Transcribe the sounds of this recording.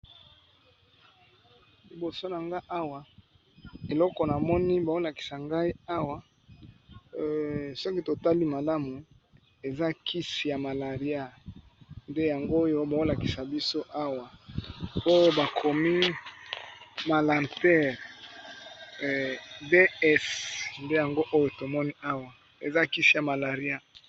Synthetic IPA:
li˨bo˨so˦na˨ŋɡa˦ʔa˦wa˨ | e˨lɔ˦kɔ˨na˨mɔ˦ni˦ba˨o˦la˨ki̥˨sa˨ŋɡa˦i˦a˦wa˨ | sɔ˦ki˦to˨ta˦li˦ma˨la˦mu˨ | e˨za˦ki˦si˨ja˨ma˨la˨ʁi˨˦a˦ | nde˦ja˨ŋɡo˦jo˦ba˨o˦la˨ki̥˨sa˨bi˦so˦ʔa˦wa˨ | o˦jo˦ba˨kʰo˨mi˦ | ma˨la˨ntɛ˦ʁ | be˦ɛ˦snde˦ja˨ŋɡo˦ʔo˦jo˦˨to˨mɔ˦ni˦a˦wa˨ | e˨za˦ki˦si˨ja˨ma˨la˨ʁi˦a˦

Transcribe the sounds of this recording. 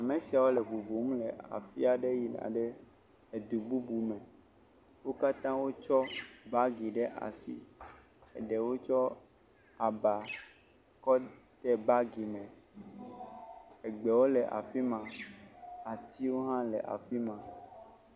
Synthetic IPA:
a˨mẽ˨si˨a˨wo˦lɛ˨ɡ͡bu˨bu˨m̩˦lɛ˨a̰˨fi˦a˨ɖe˦ji˨n̰˨a̰˨ɖɛ˦ | e˨d̪u˨bu˦bu˨mɛ̃˨ | wo˦ka˦t̪ã˦wo˦t͡ʃɔ˦ba˦ɡi˨ɖɛ˦ʔa̰˨sḭ˨ | ɛ̰˨ɖɛ˨wo˦t͡ʃɔ˦ | a˨ba˨ | kɔ˦ | t̪ɛ˦ba˦ɡi˨mɛ̃˨ | ɛ˨ɡ͡bɛ˨wo˦lɛ˨ʔa̰˨fi˦mã˨ | a˨t̪i˦wo˦ɦã˦lɛ̰˨ʔa̰˨fi˦mã˨

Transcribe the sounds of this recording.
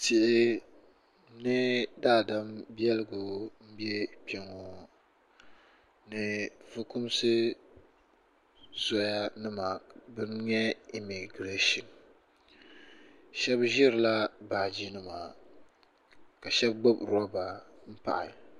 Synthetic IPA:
tɪ˨ʔɪ˦ | nɨ˦daː˦˨da˦mbi˦ɛ˦lɨ˦ɡʊ˨m̩˦bɛ˦pɛ˨ŋo˨ | nɨ˨vɨ˦kʊ˦msɨ˦ | zɔ˦ja˦nɨ˦ma˨bɨ˦nɲɛ˦i˨mi˨ɡɾe˦ʃi˨n | ʃɛ˦bʒɪ˦ɾɨ˨la˦baː˨d͡ʒi˦nɨ˨maː˨ | ka˨ʃɛ˦b̚ɡ͡bo˦bɾa˦ba˨m̩˦pa̰˨ʔɪ̰˨

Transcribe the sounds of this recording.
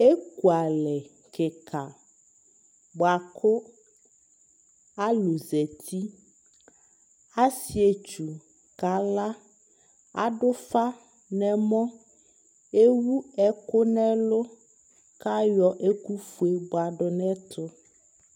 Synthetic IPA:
e˦ku˨a˨lɛ˨ | kɛ˨kʰa˨ | bɔ˨a˨kʰʊ˦ | a˦lu˨zɛ˨t̪ʰi˦ | a˦si˨e˨t͡ʃu˨ | ka˨la˦ | a˦ɖʊ˦fa˦ | nɛ̃˨mɔ̃˦ | e˦wu˦ɛ˦kʊ˦nɛ̃˦lʊ˦ | ka˦jɔ˦ʔe˦ku˦fu˦e˨bo˨a˨ɖʊ˨nɛ̃˦t̪ʰʊ˦

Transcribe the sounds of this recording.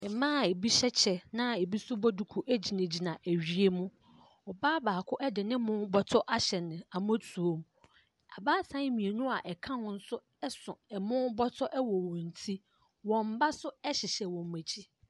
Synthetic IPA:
ɛ˨mãː˦˨e˨bi˦ɕɛ˦t͡ɕʰɛ˨nã˦e˨bi˦sʊ˦bɔ˦du˨kʰu˨ʔæ˦d͡ʑi˨nã˨d͡ʑi˨nã˨ʔæ˨ɥi˦e˦mũ˦ | ɔ˨baː˦baː˨kʰʊ˦ʔɛ˦dɪ˨nɪ̃˦mʊ̃˦bɔ˦tʰɔ˦ʔa˦ɕɛ˨nɪ̃˨a˨m˦ɔ˦tʰu˨o˨˦m | a˨baː˦sã˦mĩ˨e˨nũ˦a˨ʔɛ˨kʰã˦nʊ̃˦n̩˦sʊ˦ | ɛ˦sʊ̃˨ɛ˨mʊ̃˦bɔ˦tʰɔ˦ʔɛ˦wɔ˨wɔ̃˨n̩˨tʰi˦ | wɔ̃˨m̩˦ba˦sʊ˦ɛ˦ɕɪ˨ɕɛ˨wɔ̃˨m̩˨mæ˨t͡ɕʰi˦

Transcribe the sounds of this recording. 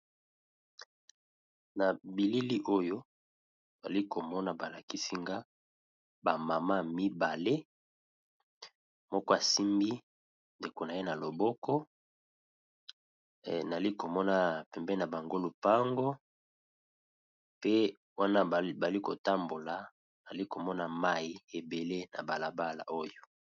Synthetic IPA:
na˨bi˨li˦li˦ʔo˦jo˦ | ba̰˨li˦ko˨mɔ˦na˦ba˨la˨ki˦si˦ŋɡa˦ | ba˨ma˨ma˦mi˦ba˨le˦ | mɔ˦kɔ˦a˨si˦mbi˦ | nde˨ko˨na˨je˦na˨lo˨bɔ˦kɔ˦˨ | na˨li˦ko˨mɔ˦na˦pɛ˨mbɛ˦i˦na˨ba˨ŋɡo˦lu˨pa˦ŋɡo˦ | pe˦ | wa˦na˦˨ba˨li˦ko˨ta˦mbo˨la˨ | na˨li˦ko˨mɔ˦na˨ma˦ji˦e˨be˨le˦na̰˨ba˨la˨ba˦la̰˨ʔo˦jo˨

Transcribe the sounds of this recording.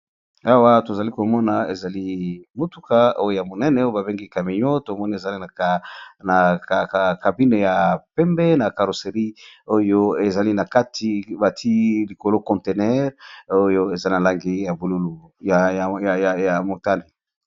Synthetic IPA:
a˦wa˦to˨za˨li˦ko˨mɔ˦na˨e˨za˨li˦mo˨tu˦ka˦o˦jo˦˨ja˨mo˨nɛ˦nɛ˨o˦jo˦ba˨be˦ŋɡi˦ka˨mi˨ɲo˦to˨mɔ˦ni˦e˨za˨li˦na˨ | na˨a˨ka˨bi˦ne˨ja˨pɛ˦mbɛ˦na˨ka˨ɾo˨se˨ʁi˦o˦jo˦e˨za˨li˦na˨ka˦tʰi˨ba˨tʰi˦li˨ko˨lo˦kɔ̃˨nte˨nɛ˦ʁo˦jo˦e˨za˦na˨la˦ŋɡi˦ja˨bu˨lu˦lu˨jja˨ja˨mo˨ta˦ne˨

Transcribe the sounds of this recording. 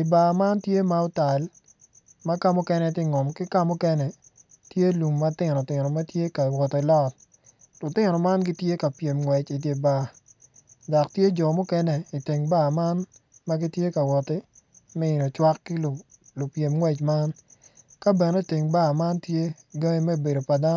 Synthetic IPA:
i˨ba˨ma˦ntje˦ma˦ʊ˦ta˨l | ma˦ka˦mʊ˦kɛ˦nɛ˦tɪ˦ŋɔ˨mkɪ˦ka˦mʊ˦kɛ˦nɛ˨ | tje˦lu˨mːa˦tɪ˦˨nɔ˨tɪ˨nɔ˨ma˦tje˦ka˨wɔ˨te˨lɔ˦t̚ | lʊ˨tɪ˦nɔ˨ma˦nɡɪ˦tje˦ka˨pje˨mŋwɛ˨t͡ʃi˨t̬je˨ba˨ | dɔ˨ktje˦d͡ʒɔ˨mʊ˦kɛ˦nɛ˦i˨ti˨ŋba˦˨ma˦nma˦ɡi˦tje˦ka˨wɔ˨tɪ˦ | mɛ˦ɪ˨no˨t͡ʃwa˦kːi˦l | lo˨pje˨mŋwɛ˦t͡ʃma˦nka˦bɛ˨ne˦˨ti˨ŋba˦˨ma˦ntje˦ | ɡa˦ŋi˦mɛ˦˨be˨do˨pa˨da˦

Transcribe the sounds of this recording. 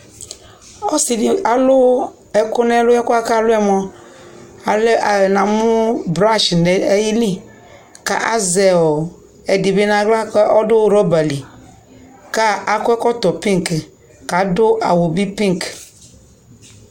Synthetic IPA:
ɔ˦si˨di˨a˨lʊ˦ | ɛ˨kʊ˦nɛ˦lʊ˦ɛ˦kʊ˦a˦ka˦lʊ˦ɛ˦mɔ̃˦ | a˨lnã˨mʊ˦bɾa˦ʃnɛ˨˦ji˦li˦ | ka̰˨ʔa˦zɛ˨wɔ˨ | ɛ˨di˨bi˦nã˨ɡla˦kɛ˦ʔɔ˦dʊ˦ɾɔ˦ba˨li˨ | ka˦a˨kʊ˦ɛ˦kɔ˦t̪ɔ˨pi˦ŋk | ka˨dʊ˦ʔa̰˨wo˨bi˦pi˦ŋk

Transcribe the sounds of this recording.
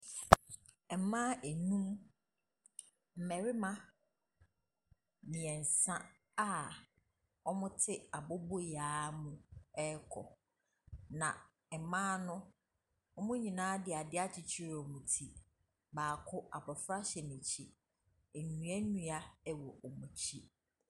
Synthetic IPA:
ɛ˨˦mãː˦ʔɛ˨nũ˦m | m̩˨mɛ˨ɾɪ˦mã˦ | nĩ˨ɛ̃˨n̩˨sã˦ | a˦ | ɔ˦mʊ̃˦tʰɪ˦a˨bɔ˦bo˦jaː˨˦mũ˦ɛ˦kʰɔ̰˨ | nã˨ | ɛ˨˦mãː˦nʊ̃˦ | ɔ˦mʊ̃˦ɲĩ˨nãː˦dɪ˨a˨dɪ˦a˦t͡ɕʰi˨t͡ɕʰi˦ɾɔ˨mũ˨tʰi˨ | baː˨kʰʊ˦ʔa̰˨bɔ˨fɾa˦ɕɛ˨nĩ˨t͡ɕʰi˦ | ɛ˨nũ˨˦ɛ˦nũ˦a˦ɛ˦wɔ˨ʔɔ˨mũ˨t͡ɕʰi˦

